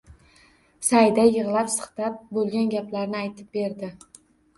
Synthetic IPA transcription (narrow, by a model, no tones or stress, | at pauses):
sajd̪ajɨʁlˠapsɨ̥χt̪ap̚bolˠɡʲanɡʲaplaɾnɪajt̪ʰɪp̚be̞ɾd̪ɪ